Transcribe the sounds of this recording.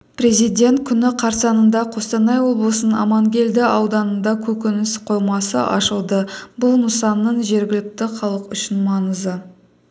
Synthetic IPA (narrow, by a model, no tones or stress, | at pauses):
pre̞zijd̪ʲe̞nt̪̚kʲʰʏnɪqʰɑɾsɑnənd̪ɑqʰo̞st̪ɑnɑjwo̞blˠəsənənɑ̰mɑŋɡʲe̞ld̪ɪɑwd̪ɑnənd̪ɑkʲʰɵkʲɪnɪsqʰo̞jmɑsə̰ʔɑ̰ʃəlˠd̪əbʊlˠnəsɑnːəɴʒe̞ɾɡʲɪlɪk̚t̪ɪχɑlˠəqʏʃɪnmɑnəzə